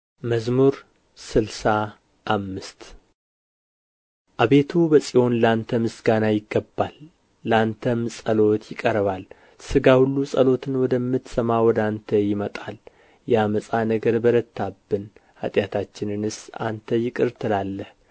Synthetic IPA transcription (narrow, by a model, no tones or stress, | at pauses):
məzmuɾ | sɨlsa | ʔːmːɨst̪ | ʔaβe̞t̪ʰubəsʼijo̞nlant̪ʰəmɨsɡanajɪɡːəbːalː | əant̪ʰəmsʼəlo̞t̪ʰjɪkʼəɾβal | sɨɡahulːusʼəlo̞t̪ʰɨnwɔd̪əmːɨt̪səmawɔd̪ant̪ʰəjɪmət̪ʼal | jɛaməsʼanəɡəɾbəɾət̪ʰːabːɨnha̰t̪ʼjat̪ʰat͡ʃːɪnɨnɨsa̰nt̪ʰəjɪkʼɨɾt̪ʰɨlalːəh